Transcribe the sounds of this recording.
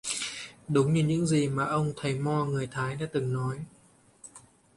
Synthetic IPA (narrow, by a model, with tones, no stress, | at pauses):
ɗʊ˨˦wŋ͡mɲɨ˧ɲɨ̰˧˥ŋzi˨˩maː˨˩ʔə˧wŋ͡mt̪ʰə˨˩jmɔ˧ŋɨ˨˩əjt̪ʰaː˨˦jɗa̰ː˧˥t̪ɨ˨˩ŋnɔ˨˦j